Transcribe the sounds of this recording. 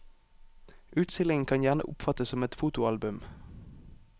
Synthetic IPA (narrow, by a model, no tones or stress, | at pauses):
ʔʉːt̪st̪ɪlɪŋən̩kʰɑnjæːʁnə̰ʔʊpfɑt̪əsɔmɛt̪fuːt̪ʊɑlbʉm